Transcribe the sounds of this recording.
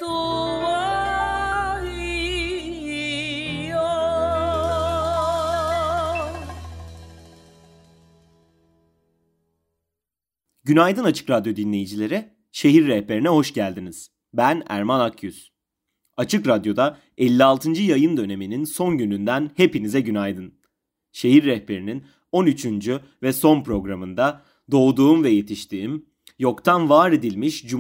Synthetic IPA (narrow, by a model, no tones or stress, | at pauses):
d̪̥uva | jo | ɟynajd̪ɯnat͡ʃʰɯ̥kɾad̪jo̞d̪inlʲe̞jid͡ʒilʲe̞ɾi | ʃe̞ɦiɾːɛhpe̞ɾinɛɦo̞ʃɟælʲd̪iniz̥ | bænæ̰ɾmanakʰjyz̥ | at͡ʃʰɯkɾad̪jo̞d̪a | ɛlʲːialˠt̪ʰɯnd͡ʒɯjajɯnd̪ø̞ne̞mininso̞nɟynynd̪ænhe̞pinizɛɟynajd̪ɯn | ʃe̞ɦiɾːɛhpe̞ɾinin | o̞nyt͡ʃʰynd͡ʒy | vɛso̞npɾo̞ɡɾamɯnd̪a | d̪o̞ːd̪uːumvɛje̞t̪ʰiʃt̪ʰiːm | jo̞kt̪ʰanvaːɾed̪ilʲmiʃd͡ʒu